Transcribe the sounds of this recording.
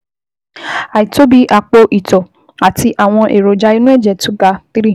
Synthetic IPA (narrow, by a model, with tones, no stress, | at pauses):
a˨i˨to˨˦bi˨˦ʔa˧k͡po˧ʔi˨tɔ˨ | a˨ti˧ʔa˨w̃ɔ̃˧ʔe˨ɾo˨d͡ʒa˧˦i˧nũ˦ɛ˦˨d͡ʒɛ˨tũ˨˦ɡa˧˦ti˦ɾi˦˨